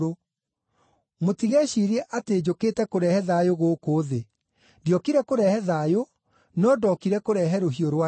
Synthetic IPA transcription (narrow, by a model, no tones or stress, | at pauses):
o | motiɣɛɕiɾɛʔateːd͡ʑokeːtɛkoɾɛhɛðajoɣoːkoːðe | djɔkiɾɛkoɾɛhɛðajo | nɔdɔkiɾɛkoɾɛɦɛɾoɦioɾwa